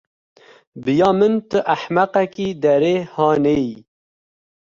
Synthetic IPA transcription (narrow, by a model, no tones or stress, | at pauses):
bɨjɑːmɨnt̪əʔaħmæqɛkiːd̪ɛɾeːhɑːnei